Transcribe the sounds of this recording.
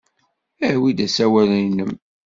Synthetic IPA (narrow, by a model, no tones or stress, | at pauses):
æhwid̪æsæwælijnəm